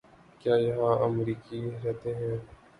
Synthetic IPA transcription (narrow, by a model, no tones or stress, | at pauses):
kjaːjɐɦãɐmɾiːkiɾɛɦt̪eɦɛ̃ː